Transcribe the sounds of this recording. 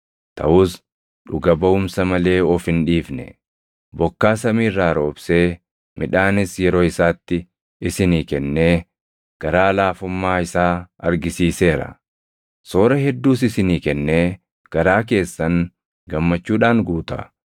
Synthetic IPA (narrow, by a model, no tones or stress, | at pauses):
t̪ʰɐ̰ʔʊs | ᶑʊɡɐbɐʊmsɐmɐle̞ːɔfɪnᶑiːfnɛ̰ | bɔkːaːsɐmiːrːaːɾo̞ːb̥se̞ː | mɪᶑaːnɪsjɛɾo̞ːɪsaːt̪ːɪ | ɪsɪniːkɛnːe̞ː | ɡ̥ɐɾaːlaːfʊmːaːɪsaːɐɾɡɪsiːse̞ːɾɐ̰ | so̞ːɾɐɦɛd̪ːuːsɪsɪniːkɛnːe̞ː | ɡ̥ɐɾaːk̬e̞ːsːɐŋ | ɡɐmːɐt͡ʃːuːᶑaːŋɡuːt̪ɐ̰